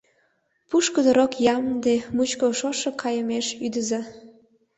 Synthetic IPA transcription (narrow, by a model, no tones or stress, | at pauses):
puʃkəd̪əɾokjɑmd̪emut͡ɕkoʃoʃekʰɑjəmeʃyd̪əzɑ